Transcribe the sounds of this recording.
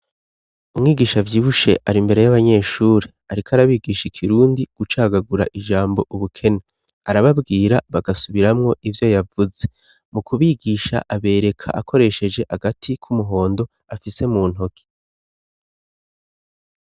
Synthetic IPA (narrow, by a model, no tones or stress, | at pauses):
umŋiːɡiːʃavjiːβuʃe̞̰ʔaɾimbe̞ɾe̞jaβaɲe̞ːʃuːɾe | aɾikʰoaɾaβiːɡiːʃikʰiɾuːndiɡ̥ut͡ʃaːɡaɡuɾa̰ʔiʒaːmbo̞ʔuβukʰe̞ne | aɾaβabɡiːɾaβaɡasuβiɾamŋo̞ʔivjojavuze̞ | mukʰuβiːɡiːʃa̰ʔaβe̞ːɾe̞kʰa̰ʔakʰo̞ɾe̞ʃe̞d͡ʒe̞haɡatʰikʰumuɦo̞ːndo̞ | afise̞muːn̥ɦo̞ɡi̥